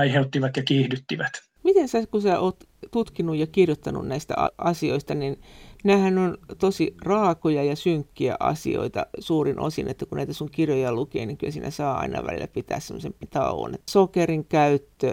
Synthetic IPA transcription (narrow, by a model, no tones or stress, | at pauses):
ɑiheut̪ːiʋɑt̪jɑkiːhdyt̪ːiʋæt̪ | mit̪ensæːskusæːʔoːt̪t̪ut̪kinujjɑkirjot̪ːɑnṵnnæist̪æ̰ɑ̰ʔɑsioist̪ɑninnæːhænont̪osirɑːkojɑjɑsyŋkːiæ̰ʔɑ̰sḭo̰it̪ɑsuːrinʔo̰sinḛt̪ːækunnæit̪æsuŋkirjojɑlukḛːniŋkylsiːnæ̰sɑːɑ̰inɑ̰ʋæ̰lilːæpit̪æ̰ːssemːˑo̰sempt̪ɑ̰oo̰nḛt̪ːsokeriŋkæyt̪ːø